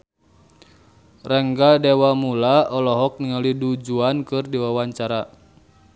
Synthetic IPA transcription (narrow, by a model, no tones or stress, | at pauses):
rɛŋɡadɛwamulaɔlɔɦɔk̚niŋalidud͡ʒuankɨrdiwawaɲt͡ʃaɾa